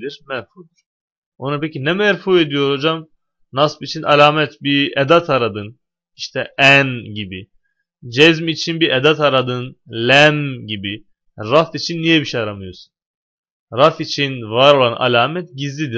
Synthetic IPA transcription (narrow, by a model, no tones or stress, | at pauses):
d̪iɾmɛɾfud̪uɾ̥ | onapʰecinɛmɛɾfue̞d̪ijo̞ɾod͡ʒam | naspit͡ʃʰinalʲaːmɛt̪bied̪at̪ʰaɾad̪ɯn | iʃt̪ʰɛænɟibi | d͡ʒɛzmit͡ʃʰinbied̪at̪ʰaɾad̪ɯnlʲɛmɟibi | ɾaft̪it͡ʃʰinːijɛbiʃejaɾamɯjosu̥n | ɾafit͡ʃʰinvaɾo̞lˠana̰lʲaːmɛt̪ɟizlʲid̪iɾ